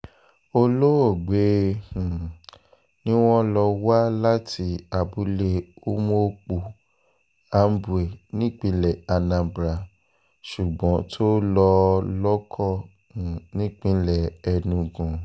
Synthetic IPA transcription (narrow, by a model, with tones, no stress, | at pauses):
o˧lo˦o˦˨ɡ͡be˨˦hũ˨ | nĩ˦w̃ɔ̃˦lɔ˧wa˦la˦tʰi˧˦a˨bu˨˦le˧o˦mo˦˧k͡pu˨ | a˨˦m̩˦bu˨e˨nĩ˦k͡pĩ˧˦lɛ˨a˧nã˧bɾa˨ | ʃu˨ɡ͡bɔ̃˨˦tʰo˦lɔ˧lɔ˦kʰɔ˦˨ | ũ˨nĩ˦k͡pĩ˨˧lɛ˦˨ɛ˧nũ˧ɡũ˨